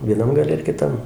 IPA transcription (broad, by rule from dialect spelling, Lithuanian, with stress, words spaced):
ʋʲiɛˈnɐm ɡɐˈlʲɛ ɪr kʲɪˈtɐm